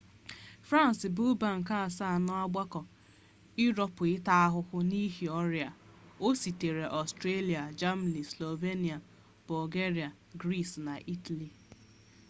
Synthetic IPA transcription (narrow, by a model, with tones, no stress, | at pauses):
fɾa˦˨n˨sɪ˨bu˦ba˨ŋ̩˨ka˦a˨sa˦a˨nɔ˦a˦ɡ͡ba˦kɔ˨ | i˦ɾɔ˨pʊ˨ɪ˦ta˦a˦ɦʊ˦hʊ˦ni˦ɦi˨ɔ˦ɾja˨o˦si˨te˨ɾe˨ʔɔ˨stɾe˦li˨a˨d͡ʒa˦ma˨ni˨slo˨ve˦ni˨a˨ | bʊ˨lɡe˦ɾi˨a˨ | ɡɾi˦˨sna˨ʔi˦ta˨li˨